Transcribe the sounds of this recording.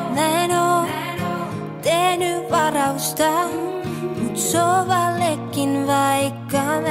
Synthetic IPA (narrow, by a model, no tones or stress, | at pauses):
mæenoː | t̪ehnyʋɑrɑust̪ɑ | mut̪soʋɑlːekːinʋɑikːɑ